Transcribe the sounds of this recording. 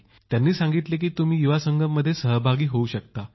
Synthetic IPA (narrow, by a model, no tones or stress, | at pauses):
t̪janːiːsãŋɡit̪lek̬iːt̪um̤iːjuʋasəŋɡʱəmːəd̪ʱːjesəɦəbʱaɡiːɦouɕək̚t̪a